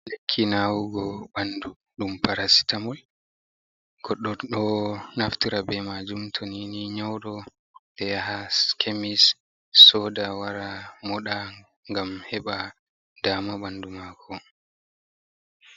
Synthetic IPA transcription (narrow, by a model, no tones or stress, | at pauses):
lekʰːinawuɡɔɓandu | ɗumpaɾasi̥tamɔl | ɡ̥ɔɗːɔɗɔnaftiɾabɛmad͡ʒumtʰoniniɲɔwɗɔ | dɛjaɦaskʰemisː | ɔdawaɾamɔɗa | ŋɡamhɛɓa | damaɓandumakʰɔ